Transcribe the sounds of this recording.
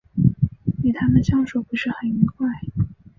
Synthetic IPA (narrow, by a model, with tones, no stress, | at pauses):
ni˨˩t̪ʰa˥mə˨nɕjɑ˥ŋʂo˨˩ʊxwe˥˧ʂɻ̩˥˩xə˨˩ni˧˥kʰwa˥˩ɪ